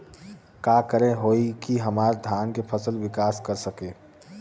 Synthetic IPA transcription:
kakəɾẽɦoːikiɦəmaːɾd̪ʱjaːnkepʰəsəlʋɪkaːskəɾsəkẽː

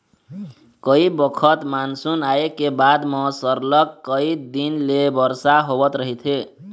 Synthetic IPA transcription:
kəibəkʰət̪mansunaekebad̪mʌsəɾlʌkːəid̪inlebʌɾsaɦobət̪ɾəɦit̪ʰe

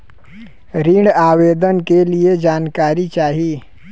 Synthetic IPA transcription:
ɾiːɽaːweːd̪ənkelied͡ʒaːnkaːɾit͡ʃaːɦiː

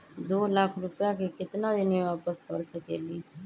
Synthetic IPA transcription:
d̪oːlakʰɾʊpjakekɪt̪nad̪ɪnĩʋaːpəskəɾsəkḛːliː

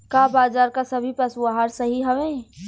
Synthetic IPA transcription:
kaːbaːzaːɾkasɐbʱipɐsuaɦaːɾsɐɦiɦɐʋẽː

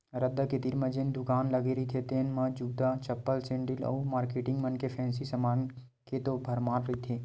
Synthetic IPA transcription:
ɾɐd̪aket̪iɾmɐ̃d͡ʒend̪ʊkaːnlɐɡeɾɐit̪ʰet̪eːnmãd͡ʒuːd̪at͡ʃɐpːəlsẽːɳɖɪlɔ̰ːmaːɾkeːʈɪ̃ŋɡmɐnkepʰɛ̃ːnsisɐmãːn | ket̪obʱɐɾmaːɾɾɐit̪ʰe

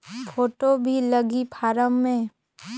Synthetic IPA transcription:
pʰoːʈobʱiləɡipʰaːɾəmːẽ

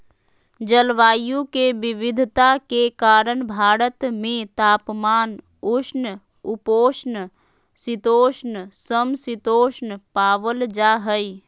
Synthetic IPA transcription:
d͡ʒəlʋaːjũkebɪʋɪd̪ʱt̪akekaːɾənbʱaːɾət̪mẽt̪aːpmaːn | ʊʃn | upoːʃn | sɪt̪oːʃnsəmsɪt̪oːʃnpaːʋəld͡ʒaɦəi

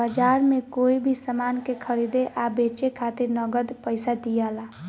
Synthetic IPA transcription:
bəd͡ʒaɾmekoibʱisəmankekʰəɾid̪eʔabet͡ʃekʰat̪iɾnəɡəd̪pəɪsad̪ijala

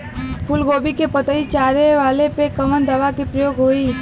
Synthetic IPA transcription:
pʰʊlɡoːbikepət̪əit͡ʃaːɾeʋaːlepekɐmənd̪əʋakepɾəjoːɡɦoːi

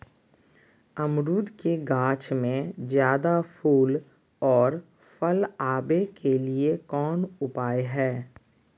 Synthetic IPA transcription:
əmɾuːd̪keɡaːt͡ʃmẽzjaːd̪apʰuːl | ɔːɾ | fəlaːbekʰeliekɔːnʊpaːeɦɛː

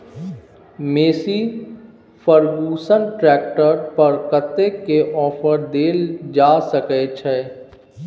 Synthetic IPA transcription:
meːsi | fəɾɡuːsənʈɾɛːk̚ʈəɾpɐɾkət̪ːekeʔɔːfəɾd̪eːld͡ʒaːsəket͡ʃʰeː

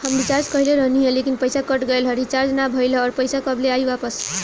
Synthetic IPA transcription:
hʌmbit͡ʃaɾd͡ʒkʌɦileɾʌɦniɦẽlekinpəjsakʌʈɡʌjlɦʌɾit͡ʃaɾd͡znabʱʌjlʌːɾpəjsakʌbleajbapəs

